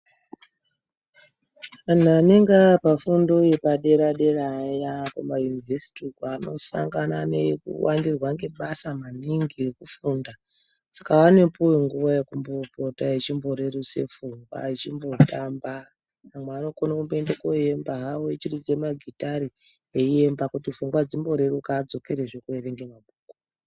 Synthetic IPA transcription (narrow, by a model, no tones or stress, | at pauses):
an̤uane̞ŋɡapafundo̞jepaɗe̞ɾaɗe̞rajakamajunivʱesi̥tikano̞sa̰ŋɡananekṵwandirwaŋɡe̞ɓasamaniŋɡirekufunda | sakaʋane̞puwiŋɡuʋajekumbo̞potaet͡ʃimbo̞ɾeruse̞̰fuŋɡwa̰it͡ʃimbo̞tamba | ʋamweano̞konakumboendekoje̞mbaɦaoet͡ʃirid͡ze̞maɡʱitaɾi | eie̞mbakutifuŋɡwad͡zimbo̞ɾerukaːd͡zo̞ke̞ɾeʐekuereŋɡe̞mabʱuːkou̥